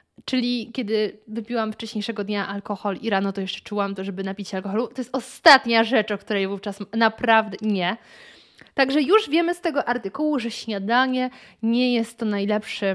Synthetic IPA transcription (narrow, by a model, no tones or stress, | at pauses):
t͡ʂɘlʲikʲɛd̪ɘvɘpʲiwamft͡ʂɛɕɲejʂɛɡɔd̪ɲaʔalkɔxɔliɾanɔt̪ɔjɛʂt͡ʂɛ̥t͡ʂuwamt̪ɔʐɛbɘnapʲit͡ɕalkɔxɔlut̪ɔjɛst̪ɔst̪at̪ɲaʐɛt͡ʂɔkt̪uɾɛjvuft͡ʂasmnapɾavd̪ɛɲɛ | t̪aɡʐɛjuʐvʲjɛmɘst̪ɛɡɔʔaɾt̪ɘkuwuʐɛɕɲad̪aɲɛɲɛjɛst̪ːɔnajlɛpʂɛ